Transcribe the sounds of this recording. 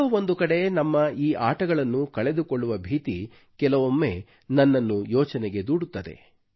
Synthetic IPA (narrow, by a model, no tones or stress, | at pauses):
ɐo̞nd̪ukɐɽe̞nɐmːɐiːʔaːʈɐɡɐɭɐnːukɐɭe̞d̪ukoɭːuʋɐbʱiːt̪ḭ | kɛlɐʋomːe̞ː | nɐnːɐnːujɔːt͡ʃɐnɛɡe̞d̪uːɽut̪ːɐd̪e̞̰